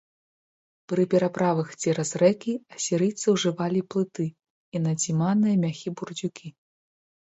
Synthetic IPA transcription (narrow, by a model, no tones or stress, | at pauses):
pɾɨpʲɛɾapɾavɨxd͡zʲɛɾɐzɾɛkʲiɐsʲiɾɨjt̪sɨwʐɨvalʲiplˠɨt̪ɨ | inɐd͡zʲimanɨjɐmʲaxʲiburd͡zʲukʲʰi